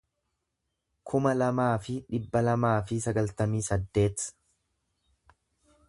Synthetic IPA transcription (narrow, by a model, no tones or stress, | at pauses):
kʰʊmɐlɐmaːfɪᶑɪbːɐlɐmaːfɪsɐɡɐlt̪ɐmiːsɐd̪ːe̞ːt̪